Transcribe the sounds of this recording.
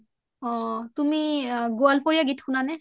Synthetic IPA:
ɔ̃tumiɡoalpoɹijaɡitxunanɛ

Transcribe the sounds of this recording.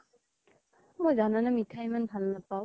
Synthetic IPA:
mɔjzananɯmitʰajmɯnpʰalːapːaw

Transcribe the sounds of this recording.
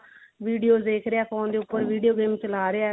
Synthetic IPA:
ʋiːɖijoːd̪eːkʰɾeaːkɔ̃ːnd̪eːʊpːəɾʋiːɖijoːɡeːmt͡ʃəlaːɾea

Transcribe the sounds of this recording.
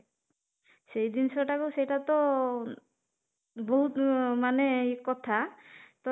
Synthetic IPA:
sejd̪insɔʈakusejʈat̪ɔ | bɔɦut̪maneikɔt̪ʰat̪ɔ

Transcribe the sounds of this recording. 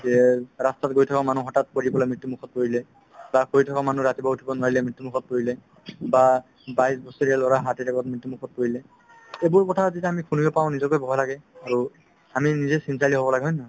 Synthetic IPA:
ɛɹastatɡojtʰɔkamanuɦɔtat̚poɹibɔlajmɹitːumukʰɔt̚poɹilɛ | bakoɹitʰɔkamanuɹatibaɦutʰibɔnwaɹilɛmɹitːumukʰɔt̚poɹilɛ | ba | bajsbɔsɔɹijalɔɹaɦatitakɔt̚mɹitːumukʰɔt̚poɹilɛ | ebuɹkɔtʰazitɛamikʰuniɔpaʊ̃nizɔkojbɔɦɔjlaɡɛaɹu | aminizɛsinsʰaliɦobɔlaɡɛɦɔjnɔ

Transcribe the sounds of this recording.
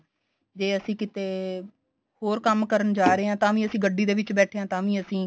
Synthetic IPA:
d͡ʒeːəsĩːkɪt̪eː | hoːɾkəmkəɾəɳd͡ʒaːɾeːãːt̪ãːʋĩːəsĩːɡəɖːiːd̪eːʋɪt͡ʃbɛːʈʰeːɦãːt̪ãːʋĩːəsĩː

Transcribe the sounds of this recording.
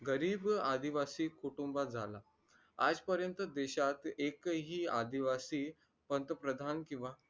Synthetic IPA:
ɡəɾiːbad̪iʋasiːkuʈumbad͡zʱala | a̰d͡zpəɾjənt̪əd̪eɕat̪ekɦiːad̪iʋasiː | pənt̪əpɾəd̪ʱankĩw̃ʋa

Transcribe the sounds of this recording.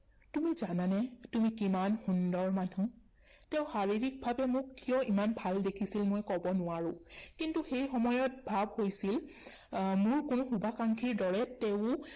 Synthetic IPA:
tumizananɛtumikimanxundɔɹmanu | tɛʊ̃xaɹiɹik̚bʱabɛmʊkːijɔʔimanbʱaldekʰisilmojkɔbɔnʊwaɹʊ̃kintuxejxɔmɔjɔt̚bʱabhojsil | mʊɹkʊnʊxubʱakaŋkʰiɹdɔɹɛteʊ̃

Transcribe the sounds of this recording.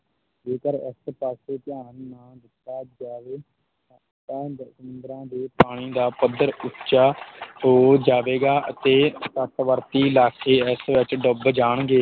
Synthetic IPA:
d͡ʒeːkəɾɪ̰spaːseːt̪ɪjaːnːãːd̪ɪt̪ːaːd͡ʒaːʋeː | t̪ɛ̃ːsəmʊnd̪ɾãːd̪eːpaːɽ̃iːd̪aːpəd̪ːəɾʊt͡ʃaːɦoːd͡ʒaːʋeːɡaːʔət̪eːsət̪ʋəɾt̪iːlaːkʰeːɪsʋɪt͡ʃɖʊbd͡ʒaːɳɡeː

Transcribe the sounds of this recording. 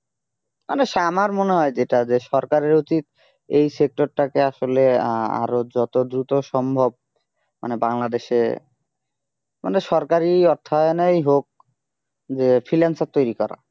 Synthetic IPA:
mʔaneʃamaɾmoneɦɔed͡ʑeʈad͡ʑeʃɔɾkaɾeɾot͡ɕit̪̚ | ejsek̚ʈoɾʈakeaʃolea̰ɾod͡ʑɔt̪od̪ɾut̪oʃɔmbʱob̚ | ma̰nebaŋlad̪eʃḛ | maneʃɔɾkaɾiɔɾt̪ʰːaonejɦok̚ | d͡ʑefʰɾilansat̪ːojɾikɔɾa̰

